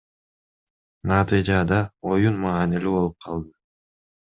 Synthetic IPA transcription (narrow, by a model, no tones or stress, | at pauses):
nɑt̪ɨjd͡ʒɑd̪ɑo̞junmɑːnilibo̞lˠup̚qʰɑlˠd̪ɯ